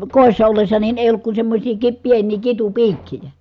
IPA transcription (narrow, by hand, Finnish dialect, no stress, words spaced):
koˑisːɑ olːesːɑ nin eˑij olːuk kun semːosʲiː ki pienˑiː kitupiːkːijæ